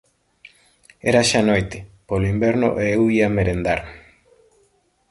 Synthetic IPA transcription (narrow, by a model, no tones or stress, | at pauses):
eɾaʃanojt̪ɪ̥poloimbeɾnʊ̰ʔeewiameɾend̪aɾ